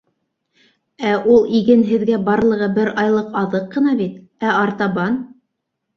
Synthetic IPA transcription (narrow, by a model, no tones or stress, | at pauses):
æʔulˠiɡɘnɦɘ̆ðɡæbɑɾlˠɤ̆ʁɤbɘɾɑjlˠɤqɑðɤqːɤ̆nɑβit̪ | æɑɾt̪ɑβɑn